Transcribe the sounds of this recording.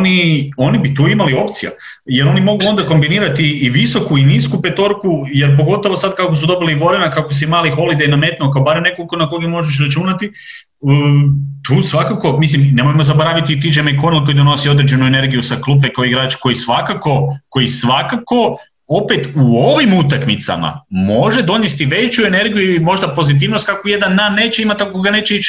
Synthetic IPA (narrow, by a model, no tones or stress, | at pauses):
onio̞nibit̪uːimalio̞pt̪sija̰ | je̞ɾo̞nimo̞ɡuo̞nd̪ako̞mbiniːɾat̪iːʋiso̞kuiniːskupet̪o̞ɾkuje̞ɾp̬o̞ɡo̞t̪oʋosad̪̚kakos̬ud̪o̞biliʋo̞ɾenakakos̬imaːlixo̞lid̪ejname̞t̪nuokaobaːɾemne̞kokonakoɡemo̞ʒeʃ̬ɾat͡ʃuːnat̪i | t̪uːsʋakako̞mislimne̞mojmozabo̞ɾaʋit̪it̪id͡ʒemeikonelˠko̞id̪ono̞sio̞d̪ɾed͡ʒe̞nuene̞ɾɡijusaklˠup̬ekaoiɡɾaːt͡ʃko̞jisʋakako̞ko̞jisʋakako̞ | o̞pet̪uo̞ʋimut̪akmit̪sa̰ma̰mo̞ʒe̞d̪o̞njest̪iʋe̞t͡ʃue̞ne̞ɾɡijuiimo̞ʒd̪apo̞zit̪̬iːʋno̞st̪kakojed̪anːannːe̞ːt͡ɕeimat̪akoɡane̞ːt͡ɕeit͡ʃ